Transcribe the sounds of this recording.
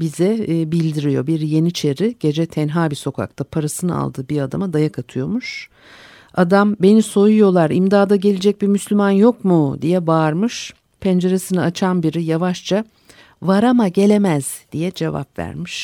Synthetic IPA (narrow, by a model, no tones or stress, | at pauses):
bizɛbilʲd̪iɾijo̞biɾje̞nit͡ʃʰe̞ɾiɟ̥e̞d͡ʒɛt̪ʰɛnɦaːbiso̞kʰa̰k̚t̪ʰapʰaɾasɯna̰lˠd̪ɯːbiɾad̪a̰mad̪ajakʰat̪ʰɯjo̞muʃ | ad̪ambe̞niso̞jujo̞lˠaɾimd̪aːd̪aɟe̞lʲed͡ʒɛc̚bimyslʲymanjo̞kmud̪ijɛbaɾmɯʃ | pʰɛnd͡ʒe̞ɾesɯnat͡ʃʰanbiɾijavaʃt͡ʃʰa | vaɾamaɟe̞lʲe̞mæz̥d̪̥ijɛd͡ʒe̞va̰pvæ̰ɾmiʃ